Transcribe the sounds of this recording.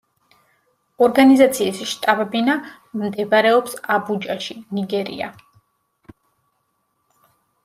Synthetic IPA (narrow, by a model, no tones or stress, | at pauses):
ɔɾɡanizat̪sʰiːsʃt̪ʼabɛbina | md̪ɛbɾɛɔpsabud͡ʒaʃiniɡɛɾḭa̰